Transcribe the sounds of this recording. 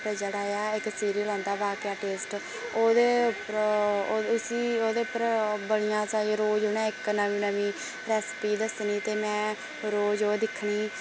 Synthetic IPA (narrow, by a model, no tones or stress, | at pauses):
pɾəd͡ʒəɽaːjaːɪksiːɾiːlɔ̃ːnd̪aːbaːkjaːʈeːsʈ | oːd̪eː | siːoːd̪eːpɾbəlijãːt͡ʃaːeːɾoːd͡ʒoːnɛ̃ːɪknəʋĩːnəʋĩː | ɾɛːspiːd̪əsniːt̪eːmɛ̃ː | ɾoːd͡ʒoːd̪ɪkʰːɳiː